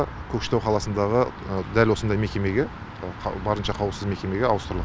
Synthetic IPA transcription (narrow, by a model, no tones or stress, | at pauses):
kʲʰɵkʃɪ̥t̪æwqʰɑlˠɑsənd̪ɑʁəd̪ælwo̞sənd̪ɑjme̞kʲe̞me̞ɡʲe | bɑɾənʃɑqʰɑwəlˠsəzme̞kʲe̞meɡʲeɑwəst̪əɾlˠə